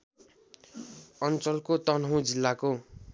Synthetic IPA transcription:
ʌnt͡sʌlkot̪ʌnɦʌw̃d͡zilːako

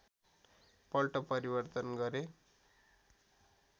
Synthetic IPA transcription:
pʌlʈʌpʌɾibʌrt̪ʌnɡʌɾe

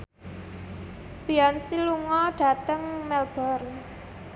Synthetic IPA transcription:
b̥iɔnsiluŋɔɖ̥ä̤t̪əŋmɛlb̥ɔr

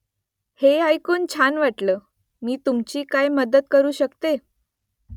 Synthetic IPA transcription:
heajkoːnt͡ɕʰanʋaʈləː | miːt̪umt͡ɕiːkajməd̪əd̪̚kəɾuːɕəkt̪e

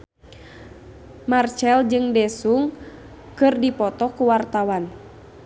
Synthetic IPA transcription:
mart͡ʃɛld͡ʒɨŋdɛsuŋ | kɨrdipɔt̪ɔkuwart̪awan

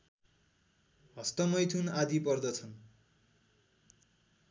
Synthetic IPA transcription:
ɦʌst̪ʌmʌjt̪ʰunad̪ipʌrd̪ʌt͡sʰʌn

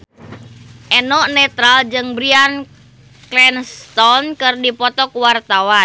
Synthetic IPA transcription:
ʔɛnɔʔnɛt̪ɾald͡ʒɨŋbɾian | klɛnst̪ɔnkɨrdipɔt̪ɔkuwart̪awa

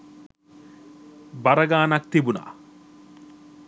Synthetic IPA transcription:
baɾəɡaːnak̚t̪ibuna̰ː

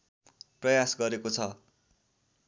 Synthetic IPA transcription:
prʌjasɡʌɾekot͡sʰʌ

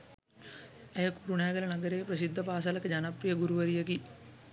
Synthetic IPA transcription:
ejəkuɾunæːɡəlɐnɐɡəɾejpɾɐsid̪ʱːɐpaːsalɐkəd͡ʒanaprijəɡuɾuʋəɾijəki

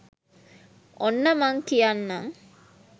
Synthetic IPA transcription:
ʔonːəmaŋkijanːaŋ

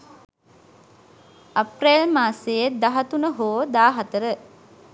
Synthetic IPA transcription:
aprelmaːsejed̪aɦat̪unəɦoːd̪aːɦat̪əɾə

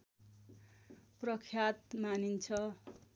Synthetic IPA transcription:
prʌkʰjat̪manint͡sʰʌ

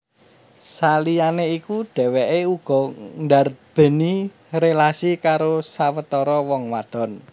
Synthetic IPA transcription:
salijaneikuɖ̥ɛ̤weʔeuɡ̥ɔ̤ŋdarb̥ə̤ni | relasikaɾosawət̪ɔɾɔwɔŋwad̪̥ɔ̤n

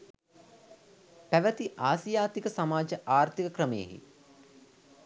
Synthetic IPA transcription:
pæʋət̪iʔaːsjaːt̪ikəsamaːd͡ʒəʔaːɾt̪ikəkɾəməjḛɦḭ

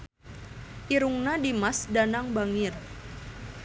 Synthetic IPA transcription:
ʔiɾuŋnadimasdanaŋbaŋir

